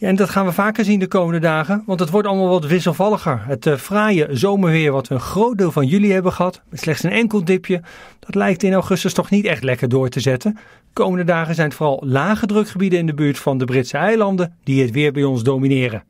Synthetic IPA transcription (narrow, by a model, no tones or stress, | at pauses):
jaɛndɑtχaːnʋəvaːkəɹzindəkowməndədaːχənʋɑntətʋɔɹtɑlˠmaːlˠʋɑtʋɪs̬əlˠvɑlˠəχəɹɦətfraːjəzowməɹʋɪːɹʋɑtʋəənχrowt̚dɪːlˠvɑnjyliɦɛbəχəɦɑtmɛtslɛχtsənɛŋkəlˠdɪpjəd̥ɑtlɛjk̚tɪnawχɵstəstɔχnitɛχtlɛkəɹdʊːɹtəzɛtən | kowməndədaːχənzɛjnətfʊːrɑlˠlaːχədrɵkχəbidənɪndəbyːɹtfɑndəbrɪtsəɛjlɑndəndiɦətʋɪːɹbɛjɔnzdowminɪːrən